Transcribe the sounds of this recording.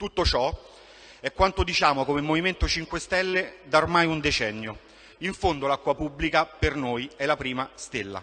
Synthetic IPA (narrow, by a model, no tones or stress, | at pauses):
t̪ut̪ːot͡ʃɔ | ɛkːwant̪od̪it͡ʃaːmokomemːoviment̪ot͡ʃiŋkwest̪ɛlːed̪aormajund̪et͡ʃɛnːjo | iɱfond̪olakːwapubːlikapernoːjɛlapɾiːmast̪elːa̰